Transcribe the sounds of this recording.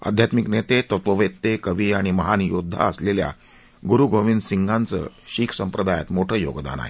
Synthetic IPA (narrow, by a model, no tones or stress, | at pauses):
ə̰d̪ʱjat̪miknet̪et̪ət̪ʋəʋet̪ːekəʋiːaɽ̃iməɦanijod̪ʱːa̰əslelja̰ | ɡuɾuɡʱoʋiːnsiŋɡãnt͡sə̰ːɕiːkʰsəmpɾəd̪ajat̪moʈʰəːjo̰ɡd̪a̰na̰ɦḛ